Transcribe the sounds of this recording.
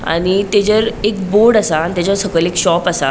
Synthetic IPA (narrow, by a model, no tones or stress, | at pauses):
a̰ñit̪ed͡zəɾekboɽasaːit̪ad͡zəɾsəkəlekɕɔpasa̰